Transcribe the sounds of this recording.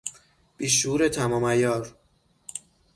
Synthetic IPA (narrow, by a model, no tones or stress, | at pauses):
b̥iːʃuːɾet̪ʰæmɒːmæjɒːɾ